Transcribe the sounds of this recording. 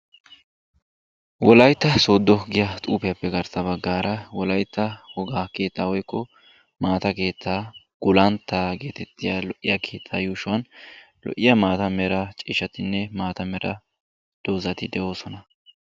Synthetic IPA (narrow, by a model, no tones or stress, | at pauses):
wɔlɐjt̪ːɐso̞ːd̪ːɔɡɪjɐt̪ʼuːpɪjɐpːɛɡɐɾsɐbɐɡːaːɾɐwɔlɐjt̪ːɐhɔɡaːke̞ːt̪ːaːwɔjkːɔ | maːt̪ɐke̞ːt̪ːaː | ɡ̥ʊlɐnt̪ːaːɡe̞ːt̪ɛt̪ːɪjaːlɔʔːɪjɐkʰeːt̪ʰːaːjuːʃʊwɐn | lɔ̰ʔɪjɐmaːt̪ɐmɛɾɐt͡ʃʼɪʃɐt̪ɪnːɛmaːt̪ɐmɛɾɐ | d̪̥o̞ːzɐt̪ɪd̪ɛʔo̞ːsɔnɐ